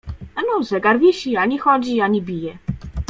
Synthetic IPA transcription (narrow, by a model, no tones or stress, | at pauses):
ɛnɔzɛɡaɾvʲiɕiaɲixɔd͡ʑiaɲibʲijɛ